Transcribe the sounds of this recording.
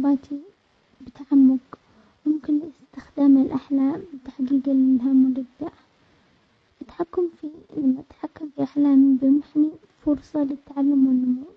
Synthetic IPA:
baːt̪ʰi | bɪt̪aʕamːʊɡ | wʊmkɪnɪst̪ɪxd̪aːmɪlʔaħlaːmbɪt̪aħɡiːɡaɪɦamːʊɾɪd̪ːaʔ | ʔat̪ħakːamfilamːaʔat̪ħakːamfiʔaħlaːmbɪmʊħni | fʊɾsˤɑlɪt̪ːaʕalːʊmːanːʊmuː

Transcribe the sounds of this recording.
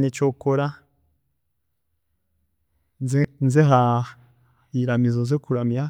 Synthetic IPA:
net͡ʃokoɾa | znzeɦa | iɾamizonzekuɾamja

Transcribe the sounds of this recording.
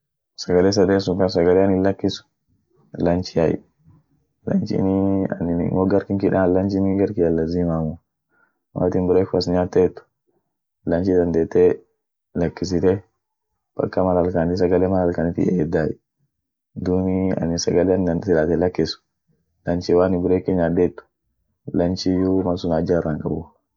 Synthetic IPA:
sɐɡɐles̬ɐd̪eːsʊŋkɐnsɐɡɐleɐnɪlɐkːɪsʊ̥ | lɐnt͡ʃɪjajɪ̰ | lɐ̰nt͡ʃḭniɐ̰nɪn̰ŋoɡɐɾkɪŋkɪᶑalɐnt͡ʃɪniɡɐɾkɪjɐlːɐzimaːmʊ | wa̰ːt̪ɪnbʊɾekːʊɐsɲaːt̪ːet̪ːʊ̥ | lɐnt͡ʃɪd̪ɐnd̪eːt̪ːe | lɐkːɪs̬ɪt̪e | b̥ɐ̰kːɐmɐlɐlkanɪs̬ɐɡɐlemɐlɐlkɐnɪt̪ḭʔeːd̪aːjɛ | d̪uːniɐ̰nɪsɐɡɐlɛnsɪlaːt̪ɛlɐkːɪsʊ̥ | lɐnt͡ʃiwaːnɪbʊɾeːkːɪɲaːd̪eːt̪ːʊ̥ | lɐnt͡ʃijumɐsʊnad͡ʒaraŋkʼɐbʊ

